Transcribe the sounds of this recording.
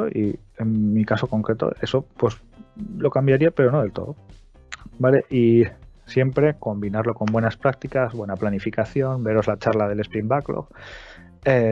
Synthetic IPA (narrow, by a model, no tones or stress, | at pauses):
oʔi | e̞nːikaso̞ko̞ŋkɾe̞t̪o̞̰e̞so̞pwe̞s | lo̞kambjaɾiape̞ɾo̞no̞ð̞e̞lt̪o̞̰ðo | bale̞ʔisje̞mpɾe̞ko̞mbinaɾlo̞ko̞mbwe̞naspɾak̚t̪ikazβwe̞naplanifikaθjo̞nbe̞ɾo̞zlat͡ʃaɾlaðe̞le̞spɾimbaklo̰k | e